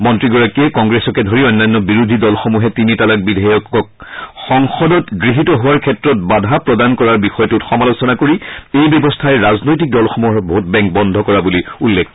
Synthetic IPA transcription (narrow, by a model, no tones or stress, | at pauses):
mɔntɹiɡɔɹakiɛkɔŋɡɹesɔkɛdʱoɹiɔjnːanːɔbiɹudʱidɔlxomuɦɛtinitalak̚bidʱajɔkɔkxɔŋxɔdɔtɡɹiɦitɔɦʊwaɹkʰɛtɹɔt̚badʱapɹɔdankɔɹaɹbixɔjɔtutxɔmalosɔnakoɹiejbɔbɔstʰaɛɹaznojtik̚dɔlxomuɦɔbɔut̚bɛ̃ŋk̚bɔndʱɔkɔɹabuliulːekʰ